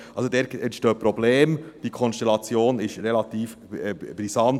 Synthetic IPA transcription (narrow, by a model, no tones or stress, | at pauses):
ʔɑlsod̪ɛːɾɛntʃtøːpɾɔbleːmd̥iːkʰɔnsʃtɛlɑt͡sjoːnɪʃɾɛlɑt̪iːf | ɛb̥ɾisɑn